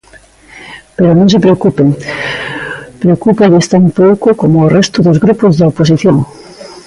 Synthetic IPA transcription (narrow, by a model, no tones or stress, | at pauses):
peɾonõŋs̬epɾeokupeŋ | pɾeokupaðest̪ampowkokomoːrɛst̪oðozɣɾupozðaoposiθjoŋ